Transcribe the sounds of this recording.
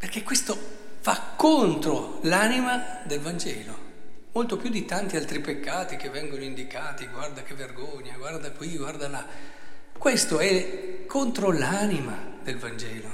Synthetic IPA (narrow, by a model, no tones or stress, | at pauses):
perkekːwest̪ofakːont̪ɾolanimad̪elvand͡ʒɛːlomolt̪opjud̪it̪ant̪ialt̪ɾipekːaːt̪ikevːɛŋɡonoind̪ikaːt̪iɡward̪akevːerɡoɲːaɡward̪akwiɡward̪ala | kwest̪oɛkʰːont̪ɾolanimad̪elvand͡ʒɛːlo